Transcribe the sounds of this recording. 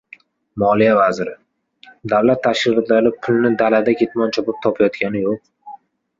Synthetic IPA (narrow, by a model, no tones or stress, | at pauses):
mɒlijavazɪɾɪ | d̪awlat̪ʰːaʃɪʁt̪lalɪpʰʊlˠnɪd̪alad̪akʲʰe̞t̪mɒnt͡ʃʰɒpɪp̚t̪ʰɒpʰajɒt̪kʲanɪjoq̚